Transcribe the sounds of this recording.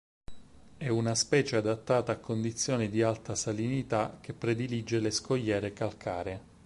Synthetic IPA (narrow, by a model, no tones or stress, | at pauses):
ɛunaspɛːt͡ʃead̪at̪ːaːt̪aːkʰːond̪it̪sːjɔːnid̪ialt̪asalinit̪ak̟ːepːɾed̪ilid͡ʒːeleskoʎːɛːɾekalkʰaːɾe